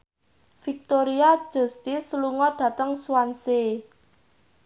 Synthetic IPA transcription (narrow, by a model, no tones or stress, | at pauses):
fik̚t̪oɾiḁʒ̥ṳst̪isluŋɔɖ̥ä̤t̪əŋsuanse